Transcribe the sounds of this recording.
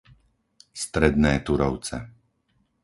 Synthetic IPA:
st̪ɾɛd̪nɛːt̪uɾɔʊt͡sɛ̰

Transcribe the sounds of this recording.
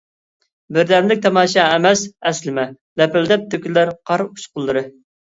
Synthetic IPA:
bɪɾd̪ɛmlɪk̚ʲt̪ʰɑmɑːʃɑɛmɛsɛslɪmɛ | lɛpɪld̪ɛp̚t̪økʲylæɾqʰɑɾuʃqʊlˠːɨɾɨ

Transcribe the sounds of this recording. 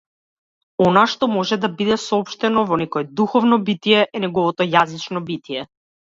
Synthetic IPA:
ɔnaʃt̪ɔmɔʒɛd̪abid̪ɛsɔɔpʃt̪ɛnɔvɔnɛkɔɛd̪uxɔvnɔbit̪ijɛʔɛnɛɡɔvɔt̪ɔjazit͡ʃnɔbit̪ijɛ

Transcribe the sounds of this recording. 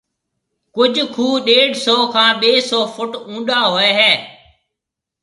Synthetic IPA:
kʊd͡ʒʱkʰuːɗeːɽsɔːkʰãːɓeːsɔːfʊʈũːɗaːɦoːeːɦɛː

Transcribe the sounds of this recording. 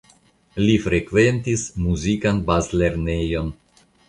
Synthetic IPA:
lifɾe̞kve̞ntismuzikanbazle̞ɾne̞jo̞n

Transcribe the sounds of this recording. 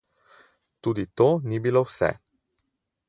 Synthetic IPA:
t̪uːd̪it̪oːnibilowsɛ̰

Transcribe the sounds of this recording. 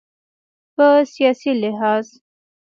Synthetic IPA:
pəsijɑsilɪɦɑːz

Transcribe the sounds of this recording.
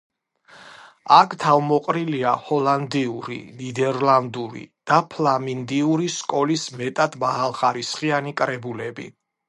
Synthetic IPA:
akʰt̪ʰavmɔqʼɾiliahɔland̪iuɾḭnid̪ɛɾland̪uɾḭd̪̥apʰlamind̪iuɾiskʼɔlismɛt̪ʼad̪̥maɦalˠχaɾisχianikʼɾɛbulɛbḭ

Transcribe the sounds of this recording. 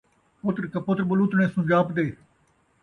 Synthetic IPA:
pʊt̪ɾkɐpʊt̪ɾbʊluːt̪ɳẽːsũd͡ʒaːpd̪eː

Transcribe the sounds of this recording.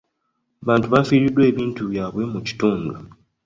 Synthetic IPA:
aβaːntuβafiːɾidwe̞ːβiːntuβjaːβwe̞muci̥tuːndu

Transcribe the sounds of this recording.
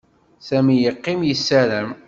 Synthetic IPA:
sæmijəqːimjəsːæɾæm

